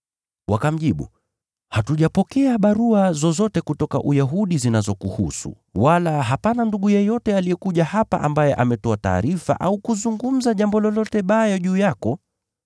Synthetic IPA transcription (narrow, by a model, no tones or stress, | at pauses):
wakam̩ʄiɓṵ | hatuʄapɔkɛaɓaɾuazɔzɔtɛkutɔka̰ʔujaɦuɗizinazɔkuhusṵ | walaɦapananduɠujɛjɔtɛaliɛkuʄahapa̰ʔambajɛʔamɛtɔata̰ːɾifa̰ʔaukuzuŋɡum̩zaʄambɔlɔlɔtɛɓajɔʄuːjakɔ